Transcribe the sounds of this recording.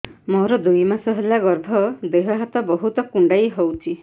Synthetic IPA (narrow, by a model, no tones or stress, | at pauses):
mɔɾɔd̪ujmasɔɦelaɡɔɾbʱɔd̪eɦɔɦat̪ɔbɔɦut̪ɔkuɳɖajɦowt͡ʃʰi